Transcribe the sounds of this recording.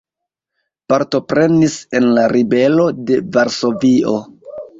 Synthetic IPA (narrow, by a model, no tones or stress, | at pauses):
paɾto̞pɾe̞nise̞nlaɾibe̞lo̞de̞vaɾso̞vio̞